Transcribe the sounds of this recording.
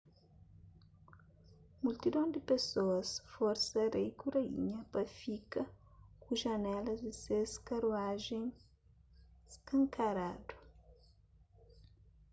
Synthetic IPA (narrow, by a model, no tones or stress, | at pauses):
mult̪id̪õd̪ɪpesoɐsfɔɾsɐɾejkuɾɐḭɲɐpɐfikɐkuʒɐnɛlɐzd̪ɪseskɐɾuaʒẽŋ | skɐ̃ŋkaɾad̪u̥